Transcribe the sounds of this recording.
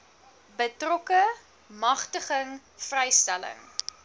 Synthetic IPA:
bətrɔkə | mɐχtəχəŋ | frɛjstælə̰ŋ

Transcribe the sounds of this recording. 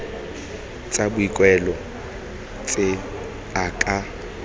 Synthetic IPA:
t͡sʼabʊikʼwɛlɔ | t͡sʼe | akʼa

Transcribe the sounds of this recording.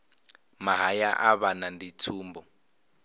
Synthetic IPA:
maɦajaʔaβanandit͡sʰuːmbɔ

